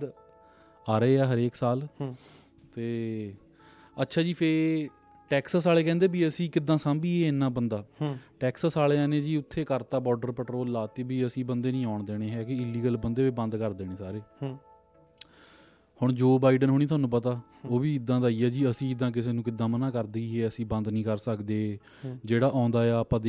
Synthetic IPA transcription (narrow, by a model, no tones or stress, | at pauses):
aːɾeːaːɦəɾeːksaːl | t̪eː | ətːʃʰaːd͡ʒiːpʰe | ʈɛːksəsaːleːkɛ̃ːnd̪eːbiːəsĩːkɪd̪ːãːsãːmbiːeːnːãːbənd̪aːʈɛːksəsaːleːaːnẽːd͡ʒiːʊt̪ʰːeːkəɾt̪aːbɔːɾɖəɾpəʈɾoːlːaːt̪eːbiːəsĩːbənd̪eːnĩːaːʊɳd̪eːɽ̃eːɦɛːkɪɪlːiːɡəlbənd̪eːbiːbə̃nd̪kəɾd̪eːɽ̃ẽːsaːɾeː | hʊɳd͡ʒoːbaːɪɖənɦʊɳ̃ĩːʊaːnũːpət̪aː | oːbiːɪd̪ːãːd̪aːiːɛːd͡ʒiːəsĩːɪd̪ːãːk̬ɪseːnũːkɪd̪ːãːmənãːkəɾd̪iːɦeːəsĩːbə̃nd̪nĩːkəɾsəkd̪eː | d͡ʒeːɽaːʔãːnd̪aːaːpãːd̪e